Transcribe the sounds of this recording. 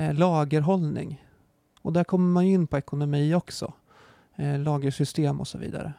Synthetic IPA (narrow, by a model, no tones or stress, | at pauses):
lɑːɡəɾɦɔlnɪ̰ŋ | ɔd̪æɾkʰɔmːəɾmanjɵɪnːpʰɔɛkʊnʊmiːɔksɔ̰ | lɑːɡəʂʏst̪eːmɔ̰sɔvḭːd̪a̰ɾə̰